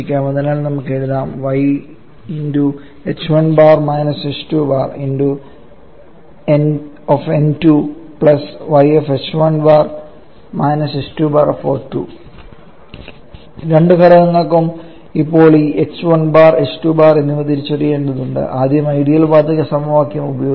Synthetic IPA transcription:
ikʲːaːmɐðinaːlnɐmukːe̞ɻuðaːmʋɐj | indu | et͡ɕʋɐnbaːrmɐjnɐsestubaːrindu | en | ofentupɭɐsʋɐjefet͡ɕʋɐnbaːr | mɐjnɐsestubaːrfoːtːṵ | ɾe̞ɳɖɨkɐɾɐɣɐŋːɐkːum | ipːo̞ːɭiːʔet͡ɕːʋɐnbaːrestubaːrenːumɐt̪iɾit͡ɕːɐrije̞ːɳɖɐðuɳɖɨ̰ʔaːd̪ʱjɐmɐjɽijɐlbaːt̪ːɐkʲːɐsɐmuʋaːkijɐmubɐjoː

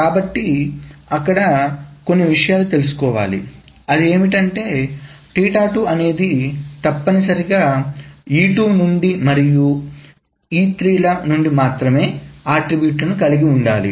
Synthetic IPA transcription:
kaːbɐʈːiɐkːɐɽɐko̞nːiʋiʂɐjaːlut̪e̞lus̬u̥kɔːʋaːlḭ | ɐd̪ie̞ːmiʈɐɳʈe̞ː | ʈiːʈaːʈuʔɐne̞ːd̪it̪ɐpːɐnisɐɾiɡaːjiːʈuːnuɳɖimɐɾiju | iːt̪ɾiːlɐnuɳɖimaːt̪ɾɐme̞ːaːʈɾibjuːʈɐnukɐliɡiuɳɖaːlḭ

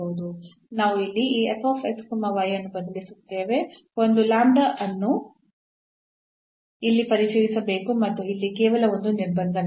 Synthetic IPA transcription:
oʋud̪u | naːʋuilːiiːepʰoːpʰekskumːɐʋɐjɐnːubɐd̪ɐlisut̪ːe̞ːʋe̞o̞nd̪ulaːɳɖɐʔɐnːu | ilːipɐɾit͡ʃɐjisɐbe̞ːkumɐt̪ːuilːikɛːʋɐlɐond̪uniɾbɐnd̪ɐn

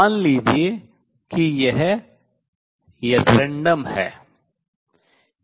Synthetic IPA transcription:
nliːd͡ʒie | kijɛɦ | jet̪ɾẽɳɖəmhɛ̰ː

